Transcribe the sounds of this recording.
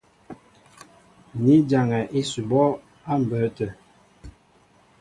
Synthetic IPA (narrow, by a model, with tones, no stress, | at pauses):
ni˦d͡ʒa˨ŋɛ˨ʔe˦su˨bɔ˦ | a˦m̩˨bə˨˦tə˨